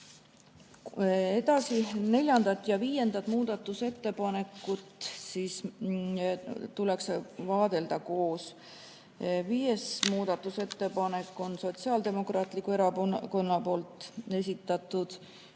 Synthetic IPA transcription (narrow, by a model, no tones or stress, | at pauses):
e̞d̪̥ɑsine̞lʲjɑnd̪̥ɑt̪ːˑjɑviːje̞nd̪ɑt̪muːd̪̥ɑt̪ːˑuse̞t̪ːe̞pɑne̞kːˑut̪siːs | t̪ulɛksvɑːd̪̥e̞ld̪̥ɑko̞ːs | viːje̞smuːd̪̥ɑt̪ːˑuse̞t̪ːe̞pɑne̞kːˑo̞nso̞t̪siɑld̪e̞mo̞krɑːt̪ˑlikue̞ɾɑko̞nːɑpo̞ːlt̪ˑe̞s̬ʲit̪ːˑɑt̪ːˑud̪̥